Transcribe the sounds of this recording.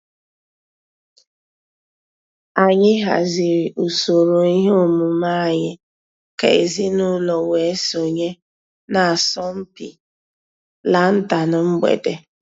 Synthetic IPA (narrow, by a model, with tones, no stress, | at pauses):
a˨ɲɪ˦ɦa̰˨zɪ˨ɾʔu˨so˨ɾo˨i˦ɦe˦o˦mu˨ma˦a˨ɲɪ˦ | ka̰˨ḛ˨zi˦nʊ˦lɔ˨we˨˦so˨ɲe˦ | na˨a˨sɔ˦m̩˦pḭ˨ | la˨n̩˦ta˨nʊ˨m̩˦ɡ͡bḛ˨de˨